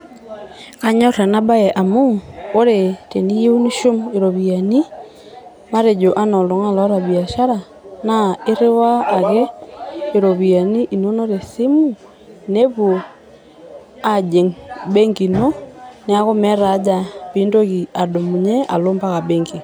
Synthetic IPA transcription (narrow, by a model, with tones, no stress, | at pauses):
ka˨ɲa˦ɾa˨na˦ba˦jɛ˨ʔa˨mu˦o˦ɾe˨te˨ni˦je˦u˦ni˦ʃo˦me˨ɾo˨βia˨ni˦ | ma˦ɾe˨d͡ʒo˨ʔa˦nɔ˨lɔ˨ŋa˦la˦ɾa˨βi˨a˨ʃa˦ɾa˨ | na˦e˦ɾe˦waː˦˨ɣɛ˦e˨ɾo˨βi˨a˨ni˦ʔi˨no˦no˦ɾe˨si˦mu˦ | ne˦βo˨ | a˦d͡ʒe˨ŋbɛ˦ŋɡi˨nɔ˦ne˨a˦ɣo˦mɛ˦ɾa˨˦d͡ʒa˨βi˦ndo˦ɣi˨a˨do˨mu˨ɲɛ˦ʔa̰˨lo˦mba˦ɣa˨bɛ˦ŋɡi˨